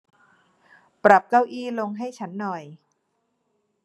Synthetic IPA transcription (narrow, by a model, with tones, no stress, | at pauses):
pɾa˨˩p̚ka˥˩wʔiː˥˩lo˧ŋɦa˥˩jt͡ɕʰa˦˥nːɔ˨˩j